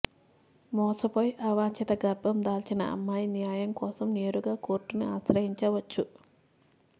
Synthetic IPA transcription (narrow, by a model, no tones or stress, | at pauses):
mɔːsɐpojʔɐʋaːɲt͡ʃɐt̪ɐɡɐɾbʱɐmd̪aːlt͡ʃinɐ̰ɐ̰mːaːjnijaːjɐmkɔːsɐmne̞ːɾuɡaːko̞ːɾʈːuniaːʃɾɐɦiɲt͡ʃɐʋɐt͡ʃːu